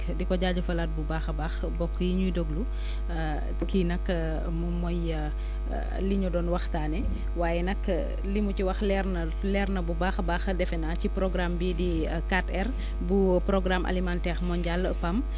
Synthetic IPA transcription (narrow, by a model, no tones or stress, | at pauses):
dikɔɟaːɟɐfɐlat̚bubaːxbaːx | bɔkːjiɲudoɡlu | kinɐkː | mumɔjə̰ | liɲudɔːnwɐxtaːnɛ | waːjɛnɐkː | limuciwɐxlɛrn | lɛrnɐbubaːxbaːxdɛfɛnacipɾɔɡɾambidi | katɛr | bupɾɔɡɾamʔa̰limantɛxmɔɲɟalːəpɐm